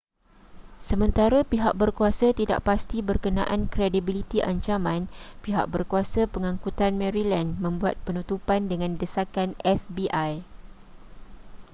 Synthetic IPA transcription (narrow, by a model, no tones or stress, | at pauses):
səmə̃nt̪aɾəpiɦak̚bərkuasət̪ida̰ʔpast̪ibərkənã̰ʔankɾedibilit̪iʔaɲt͡ʃamãnpiɦa̰k̚bərkuasəpəŋãŋkut̪anmɛ̃ɾilanmə̃mbuat̪̚pənut̪upandəŋãndəsakanʔɛfbiʔaj